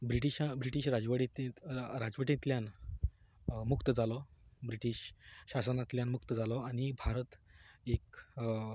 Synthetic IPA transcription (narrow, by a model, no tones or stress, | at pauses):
bɾiʈiɕabɾiʈiːɕɾad͡zʋəɽit̪ẽɾad͡zʋəʈẽt̪ljan | mukt̪əd͡zalɔbɾiʈiːɕɕasənat̪ljanmukt̪əd͡zalɔañibʱaɾət̪ek̚